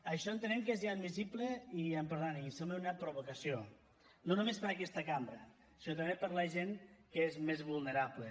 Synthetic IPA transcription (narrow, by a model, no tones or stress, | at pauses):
əʃɔent̪ənɛmkezjad̪misibleiəmpəɾðanisembeunəpɾoβukəsjo | nonumespəɾɐkɛst̪əkambɾə | sinot̪ɐmbepəɾlɐʒenkəezmezβulˠneɾaβle